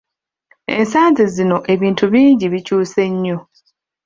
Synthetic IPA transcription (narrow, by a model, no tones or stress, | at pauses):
e̞̰nsaːnzizino̞ʔe̞βiːntʰuβiːɲɟiβicuːse̞ɲːo